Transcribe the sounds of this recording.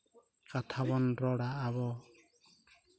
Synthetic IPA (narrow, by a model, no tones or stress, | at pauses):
kat̪ʰabɔnɾɔɽaːβɔ